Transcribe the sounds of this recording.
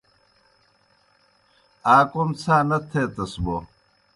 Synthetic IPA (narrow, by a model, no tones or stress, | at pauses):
aːkomt͡sʰaːnɐt̪ʰeːt̪ɐsbo